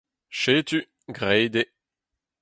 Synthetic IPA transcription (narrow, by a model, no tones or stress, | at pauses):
ʃeːt̪y | ɡʁɛjd̪e